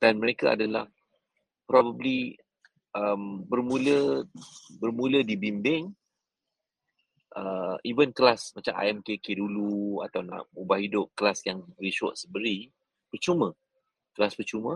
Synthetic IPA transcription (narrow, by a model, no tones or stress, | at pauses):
d̥anməɾekaa̰dala̰h | pɾɔbəbli | ʔəmbərmũlə | bərmũlədibimbɪŋ | ʔəivənkəlasmat͡ʃama̰ɛmkekedulua̰t̪awna̰ʔubahɦidʊp̚kəlasjaŋəɾiʃɔ̰ʔsəbəɾi | pərt͡ʃumə̃ | kəlaspərt͡ʃumə̃